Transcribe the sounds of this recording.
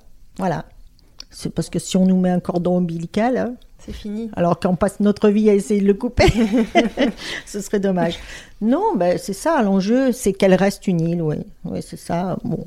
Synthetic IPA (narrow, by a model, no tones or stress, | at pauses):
vwala̰ | sɛpaʁsə̥kəsiɔ̃numɛɛ̃kɔʁd̪ɔ̃bilikalsɛfinia̰lɔʁkəɔ̃pasnɔt̪χəviaesejed̪ələkupe | səsəʁɛd̪ɔmaʒ | nɔ̃basɛsalɑ̃ʒøsɛkɛlʁɛst̪ynilwḭ | wḭsɛsabɔ̰̃